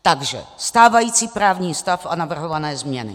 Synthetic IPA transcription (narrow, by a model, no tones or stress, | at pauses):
t̪aɡʒɛ̰st̪aːvajiːt͡siːpɾaːvɲiːst̪afanavr̩ɦovanɛːzmɲɛnɪ̰